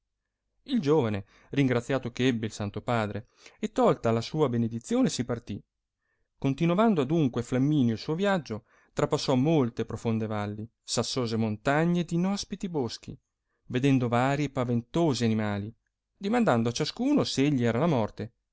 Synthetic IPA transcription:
ild͡ʒoːvane | riŋɡɾat̪sːjaːt̪okeɛbːeilsant̪opaːd̪ɾeː | t̪ːɔlt̪aːlːasuːabened̪it̪sːjoːnesipart̪i | kont̪inovand̪oad̪uŋkweflamːiːnjoilsuːovjad͡ʒo | t̪ɾapasːɔmolt̪epɾofond̪evalːi | sasːoːzemont̪aɲːed̪inɔspit̪ibosk̟ḭ | ved̪ɛnd̪ovaːɾiepavent̪oːzianimaːli | d̪imand̪and̪oat͡ʃaskuːnoseeʎːiɛːɾalamɔrt̪e

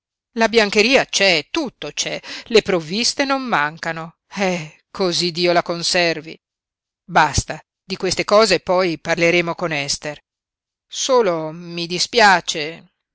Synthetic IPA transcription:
labjaŋkeɾiːat͡ʃɛt̪ut̪ːot͡ʃɛlepɾovːist̪enomːaŋkano | ɛ | kʰozid̪iːolakonsɛrvḭ | bast̪a | d̪ikwest̪ekɔːzepːɔjparleɾeːmokonɛst̪er | soːlomid̪ispjaːt͡ʃe

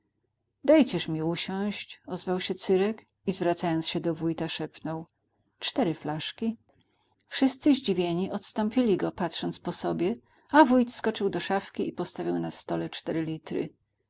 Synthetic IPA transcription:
d̪ajt͡ɕɛʂmʲiuɕɔ̃w̃ɕt͡ɕɔzvawɕɛt̪sɘɾɛk | izvɾat̪sajɔnt̪sɕɛd̪ɔvujt̪aʂɛpnɔw | t͡ʂt̪ɛɾɘflaʂkʲi | fʂɘst̪sɘʑd͡ʑivʲjeɲiʔɔt̪st̪ɔ̃mpʲilʲiɡɔpat̪ʂɔnt̪spɔsɔbʲjɛ | avujt̪skɔt͡ʂɘwd̪ɔʂafkʲiipɔst̪avʲiwnast̪ɔlɛt͡ʂt̪ɛɾɘlʲit̪ɾɘ̰

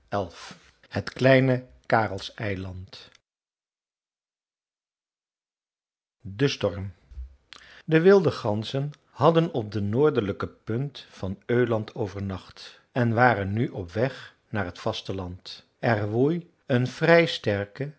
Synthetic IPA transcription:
ɛlˠf | hətklɛjnə | kaːrəlˠsɛjlɑnt | dəstɔɹm | dəʋɪlˠdəχɑnzən | hɑdənɔp̚dənoːɹdələkəpɵntfɑnøːlɑntʰowvəɹnɑχt | ɛnʋaːrənːyʔɔpʋɛχ | naːɹɦətfɑstəlɑnt | ɛrʋuj | ənv̥rɛjstɛɹkə

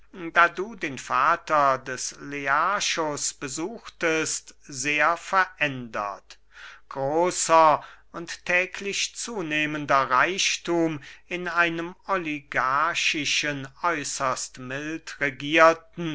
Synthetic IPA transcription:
daːduːdeːnfaːtɐdɛsleaʃosb̥əzuːxtəstzeːɐfɛɐʔɛndɐ̰t | ɡ̥ʁoːsɐ | ʊnttʰːɛːkʰlɪʃt͡suːneːməndɐʁaɪʃtuːmɪnaɪnəmɔliɡaɐʃɪʃənɔʏsɐstmɪltʁeɡiːɐtn̩

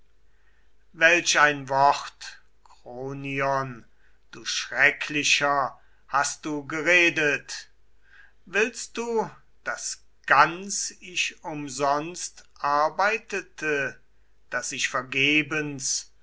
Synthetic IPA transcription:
vɛlʃaɪnvɔχt | kʁ̥oːniɔn | d̥uːʃʁɛkʰlɪʃɐ | hast̚d̥uːɡəʁeːdət | vɪlst̚d̥uː | d̥as | ɡ̥ant͡sɪʃʊmzɔnstʔaɐbaɪtətʰə | d̥asɪʃfɛɐɡeːbəns

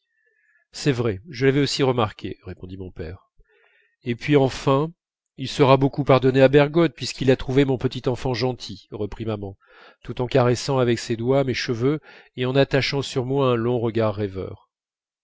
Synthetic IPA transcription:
sɛvʁɛʒəlavɛosiʁəmaʁkʲʰeʁepɔ̃d̪imɔ̃pɛːʁ | epɥiɑ̃fɛ̃ | ilsəʁabokupaʁd̪ɔneabɛʁɡɔt̪̚pɥiskilat̪χuvemɔ̃pət̪it̪ɑ̃fɑ̃ʒɑ̃t̪ʰiʁəpχimamɑ̃ | t̪ut̪ɑ̃kaʁɛsɑ̃avɛksed̪wamɛʃəvøeɑ̃nat̪aʃɑ̃syʁmwaɛ̃lɔ̃ʁəɡaʁːɛvœ̰ːʁ

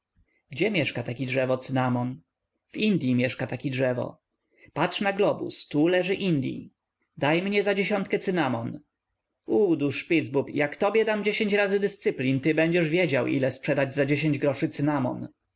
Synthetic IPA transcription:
ɡd͡ʑɛmʲjɛʂkat̪akʲidʐɛvɔt̪sɘnamɔn | vind̪ʲjimʲjɛʂkat̪akʲɛdʐɛvɔ̰ | patʂnaɡlɔbṵst̪ulɛʐɘʔind̪ʲjḭ | d̪ajmɲɛzad͡ʑeɕɔnt̪kɛt̪sɘnamɔn | ud̪uʂpʲid̪zbupjakt̪ɔbʲjɛd̪amd͡ʑeɕeɲt͡ɕɾazɘd̪ɘst̪sɘplʲint̪ɘbɛɲd͡ʑɛʐvʲjed͡ʑawʔḭlɛspʂɛd̪ad͡ʑzad͡ʑeɕ̬eɲd͡ʑɡɾɔʂɘt̪sɘnamɔ̰n

